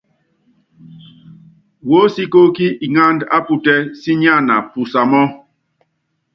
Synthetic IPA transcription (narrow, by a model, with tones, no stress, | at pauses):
wo˦si˦ko˦ki˦i˨ŋa˦nda̰˦pu˨tɛ˦si˦ɲa˦˨na˨pu˨sa˨mɔ˦